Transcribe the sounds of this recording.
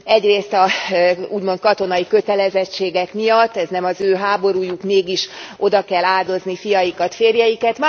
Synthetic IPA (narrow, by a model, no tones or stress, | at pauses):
ɛɟreːst̪ɒuːɟmot̪̚kɒt̪o̞nɒikø̞t̪ɛlɛzɛt͡ʃːeːɡɛkmijɒt̪ːɛznɛmɒzøːɦaːbo̞ɾuːjukmeːɡiʃʔo̞d̪ɒkɛlaːd̪o̞znifijɒjikɒt̪feːrjɛjikɛt̪m